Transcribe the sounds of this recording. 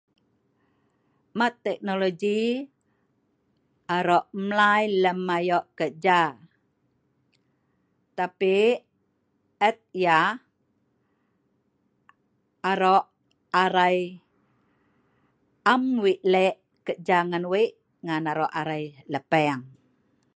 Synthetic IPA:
mat̪ːɛk̚noloɡi | aɾɔʔmlajləmːajɔʔkəd͡ʒa | t̪api | ɛt̪̚ja | aɾɔʔ | aɾaj | amwiʔlɛʔ | kəd͡ʒaŋanwiʔ | ŋanaɾɔʔaɾajləpɛŋ

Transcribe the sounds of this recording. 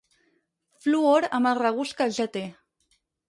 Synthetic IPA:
fluoɾamaraɣuskaʒat̪e

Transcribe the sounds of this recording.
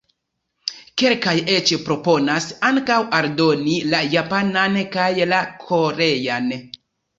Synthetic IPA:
ke̞lkajet͡ʃpɾo̞po̞nasaŋkawaɾdo̞nilajapanankajlakʰo̞ɾe̞jan

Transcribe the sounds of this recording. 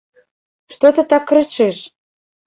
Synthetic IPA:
ʃt̪ot̪ə̆t̪ɑk̆ːɾə̆t͡ɕeʃ

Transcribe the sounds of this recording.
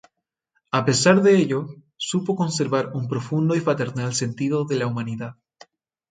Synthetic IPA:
ape̞saɾðe̞eʎo̞ | supo̞ko̞nse̞ɾβaɾumpɾo̞fund̪oifɾat̪e̞ɾnalse̞nt̪iðoðe̞laumaniðað

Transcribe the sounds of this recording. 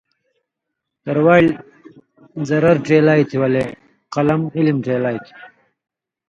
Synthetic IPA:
t̪ɐɾwaːl | zɐɾɐɾʈ͡ʂeːlaːjt̪ʰiwɐle | qɐlɐmilimʈeːlaːjt̪ʰi̥

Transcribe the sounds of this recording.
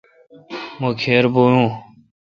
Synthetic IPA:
mokʰeːɾbojũː

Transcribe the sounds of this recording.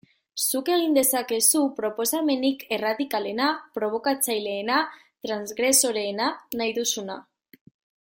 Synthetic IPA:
suke̞ɣind̪e̞sake̞supɾo̞po̞same̞nike̞raðikale̞napɾo̞β̞o̞kat͡sajle̞ːna | t̪ɾanzɣɾe̞so̞ɾe̞ːnanajðusuna

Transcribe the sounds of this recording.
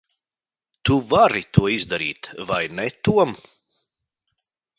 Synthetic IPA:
t̪uvaɾit̪uɔizd̪aɾḭːt̪vajnɛt̪uɔm

